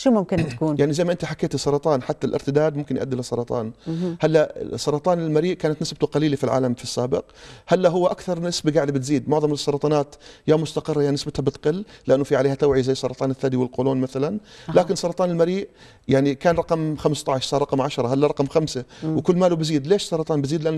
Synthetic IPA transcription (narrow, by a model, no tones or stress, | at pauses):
ʃumʊmkɪnt̪ːḁkuːnjaʕnizajmaʔɪnt̪iħakːeːt̪ɪsˤːɑɾˤɑt̪ˤɑːnħat̪ːalʔɪ̰ɾt̪ɪd̪aːd̪mʊmkɪnjʔa̰d̪ːɪlasˤːɑɾˤɑt̪ˤɑ̰ːnhalːa̰sˤːɑɾˤɑt̪ˤɑːnɪlmaɾiːʔkaːnat̪nɪsb̚t̪ʊqɑliːlafilʕa̰ːlamfisːaːbɪqhalːaɦʊwːaʔakθɑɾˤnɪsbiɡaʕd̪abɪt̪ziːd̪mʊʕðˤɑmsˤːɑɾˤɑt̪ˤɑːnaːt̪jaːmʊst̪aqɨrˤːɑjaʕninɪsbɪt̪habɪt̪qɪlːlɪʔanːʊfiʕaleːhat̪awʕizajːsˤːɑɾɑt̪ˤɑːnɪθːaːd̪iwɪlqoːloːnmaθalanlaːkɪnsːɑɾˤɑt̪ˤɑːnɪlmaɾiːʔ | jaʕnikaːnɾˤɑqɑmxamst̪ˤɑʕɪʃsˤɑːɾˤɑqɑmʕaʃɾˤɑhalːaɾˤɑqɑmxamsawkʊlːmalubɪziːd̪leːʃsˤɑɾˤɑt̪ˤɑːnbɪziːd̪lɪʔanː